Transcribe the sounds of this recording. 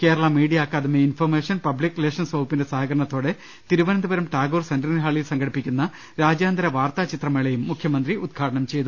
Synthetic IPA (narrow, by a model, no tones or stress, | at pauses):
keːɾɐɭɐmiːɽijaːkːaːðumeinfɐrmeːʂɐnpɐblikːrileːʂɐnsʋɐːpːinde̞sɐɦɐɡɐɾɐɳɐt̪ːo̞ːɽe̞ | t̪iɾuʋɐnɐnd̪ubɐɾɐmʈaːɡoːrsɐndɐnɐɦaːɭilsɐŋɡɐɽipːikʲːunːɐ | ɾaːd͡ʑjaːnd̪ɐɾɐʋaːrt̪aːt͡ɕit̪rɐmeɭejumːukʰjɐmɐnd̪riud̪̚ɡʰʱaːɽɐɳɐmt͡ɕe̞jt̪u